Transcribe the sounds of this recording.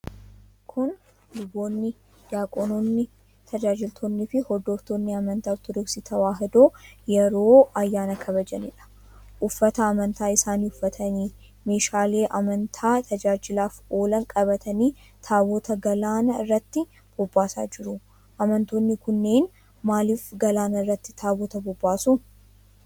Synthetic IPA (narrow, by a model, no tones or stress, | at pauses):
kʰʊn | lʊbo̞ːnːɪ | d̪aːkʼɔnoːnːɪ | t̪ʰɐd͡ʒaːd͡ʒɪlt̪ʰoːnːɪfɪhɔd̪oːft̪oːnːɪɐmɐnt̪aːft̪ʊd̪ʊɡsɪt̪ɐwaːɦɪd̪oːjɛɾo̞ːɐjːaːnɐkʰɐβɐd͡ʒɐnɪᶑɐ̥ | ʔʊfːɐt̪ɐːmɐnt̪aːɪsaːniʊfːɐt̪ʰɐniː | me̞ːʃaːle̞ːʔɐmɐnt̪ʰaːt̪ʰɐd͡ʒaːd͡ʒɪlaːfo̞ːlɐŋkʼɐbɐt̪ʰɐniː | t̪ʰaːbɔt̪ʰɐɡɐlaːnɐɪrːɐt̪ːɪ | b̥ɔbːaːsa̰ːd͡ʒɪɾʊ | ʔɐmɐnt̪oːnːɪkʊnːeːn | maːliːfɡɐlaːnɐɪrːɐt̪ːɪ̥t̪ʰaːbɔt̪ɐbɔbːaːsʊ